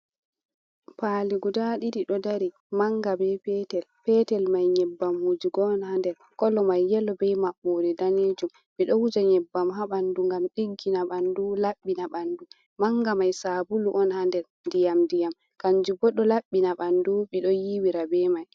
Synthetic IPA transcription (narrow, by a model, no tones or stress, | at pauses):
paliɡudaɗidiɗɔdaɾi | maŋɡabɛpɛtɛlpɛtɛlmajɲɛbːamhud͡ʒiɡɔːnhandɛɾ | kɔlɔmajːɛlɔbɛjmaɓːodɛdaneːd͡ʒum | ɓiɗɔwud͡ʒaɲɛbːamɦaɓanduŋɡamɗiɡːinaɓandulaɓːinaɓandu | maŋɡamajsabuluʔɔnhandɛɾ | ndijamndijam | kand͡ʒubɔɗɔlaɓːinaɓanduɓiɗɔjiwiɾabɛmaj